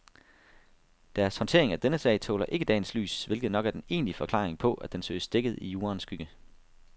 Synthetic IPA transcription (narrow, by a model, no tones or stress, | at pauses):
d̥æɐshɒ̽nt͡sʰe̝̰ːɐeŋæd̥enəsɛ̰ɪt͡sʰo̰ːlɐʔe̝ɡ̥əd̥ɛ̰ːnsly̰ːsʋe̝lɡ̥ð̞̩ˠnɒ̽ɡ̥æɐd̥ene̝̰ːnlifɒ̽kʰlɑ̈ːʁeŋpʰɒ̽ʔæd̥d̥ensø̰ɪsd̥eɡ̥əð̞̩ˠijuːɐnsɡ̥yɡ̥ə